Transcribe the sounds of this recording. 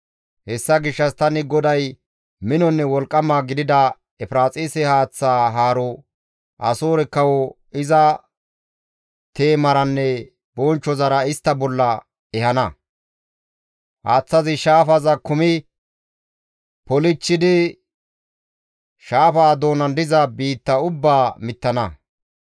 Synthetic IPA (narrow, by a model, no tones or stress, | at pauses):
hɛsːɐɡɪʃːɐst̪ɐnɪɡɔd̪ɐj | mɪnɔnːɛwɔlkʼːɐmaːɡɪd̪ɪd̪ɐ | ɛfɾaːt͡sʼiːsɛhaːt͡sːaːɦaːɾɔ | ʔɐsoːɾɛkːɐwɔ | ɪzɐ | t̪eːmɐɾɐnːɛ | bɔnt͡ʃːɔzɐɾɐɪst̪ːɐbɔlːɐ | ɛhɐnɐ | haːt͡sːɐzɪʃaːfɐzɐkʊmɪ | pɔlɪt͡ʃːɪd̪ɪ | ʃaːfaːd̪o̞ːnɐnd̪ɪzɐbiːt̪ːɐʊbːaːmɪt̪ːɐnɐ